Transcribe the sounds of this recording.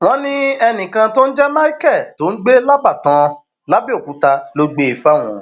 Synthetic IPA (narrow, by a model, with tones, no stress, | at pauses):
w̃ɔ̃˦nĩ˦ɛ˧nĩ˨kã˧to˦n̩˦d͡ʒɛ˦ma˦i˦kɛ˦˨to˨˦n̩˦ɡ͡be˦la˦ba˦˨tã˧ | la˦bi˦o˦˨ku˨˦ta˧lo˧ɡ͡be˨˧i˨fa˦˨w̃ɔ̰̃˨